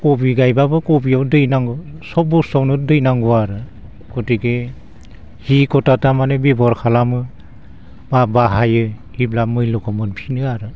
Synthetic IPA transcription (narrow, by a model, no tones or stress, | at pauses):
kɔbiɡajbabɯkɔbiawdɯjnaŋɡɔsɔbɔsɔwnɯdɯjnaŋɡɔaɾɯ | kɔtiɡe | hikɔtatamanebibɔɾkʰalamɯ | mabaɦajɯhiblamɯjlɔkɔmɯnpʰinɯaɾɯ